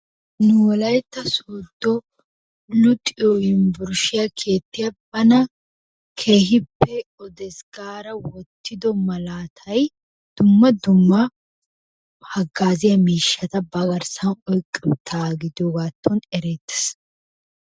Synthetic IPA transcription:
nʊwɔlɐjɛt̪ːɐsoːd̪ːɔ | lʊt̪ʼːɪjɔjɪmbʊɾʃɪjakʰe̞ːt̪ːɪjɐbɐnɐ | kʰe̞ːɦɪpːɛɔd̪ɛsɡaːɾɐwɔt̪ːɪd̪ɔmɐlaːt̪ʰɐj | d̪̥ʊmːɐd̪ʊmːɐ | hɐɡːaːzɪjɐmiːʃːɐt̪ɐbɐɡɐɾsɐnɔjkʼːɪbt̪ʰːaːɡɪd̪jɔɡaːt̪ʰːɔnɛɾeːt̪ːɛ̥s

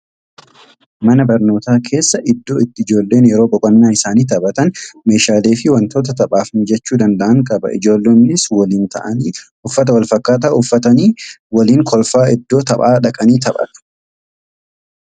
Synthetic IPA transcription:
mɐnɐbɐɾno̞ːt̪aːkʰe̞ːsːɐʔɪd̪ːo̞ːɪt̪ːɪɪd͡ʒo̞ːlːe̞ːnjɛɾo̞ːbɔkʼɐnːaːɪsaːniːt̪ɐbɐt̪ɐnme̞ːʃaːle̞ːfɪwɐnt̪o̞ːt̪̬ɐt̪ɐpʼaːfhɪnd͡ʒɛt͡ʃːuːd̪ɐnd̪ɐʔɐŋkʼɐbɐ̰ʔɪd͡ʒo̞ːlːeːnːɪswɐliːnt̪ɐ̰ʔɐnː | ʊfːɐt̪̬ɐwɐlfɐkːaːt̪̬aːʊfːɐt̪ɐniːwɐliːŋkʰɔlfaːɪd̪ːo̞ːt̪ɐpʼaːᶑɐkʼɐniːt̪ɐbʼɐ̰t̪ɐ̥

